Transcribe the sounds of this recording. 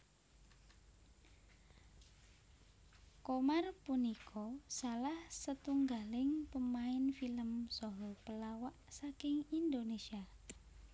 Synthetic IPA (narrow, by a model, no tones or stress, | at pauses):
komarpunikʰɔsalahsət̪uŋɡalɪŋpəmaɪnfiləmsɔɦɔpəlawaʔsakɪŋind̪onesia